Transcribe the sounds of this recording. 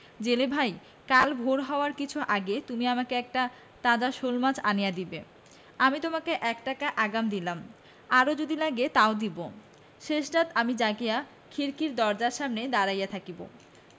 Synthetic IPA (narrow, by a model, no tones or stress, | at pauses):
d͡ʑelebʱaj | kalbʱoɾɦɔoaɾkit͡ɕʰuʔaɡet̪umiamakeɛk̚ʈa | t̪ãd͡ʑaʃolmad͡ʑanijad̪ibe | amit̪omakeʔɛkʈakaʔaɡamd̪ilam | aɾod͡ʑod̪ilaɡet̪aod̪ibo | ʃeʃɖat̪amid͡ʑaɡija | kʰiɾkiɾd̪ɔɾd͡ʑaɾʃamned̪aɾajat̪ʰakibo̰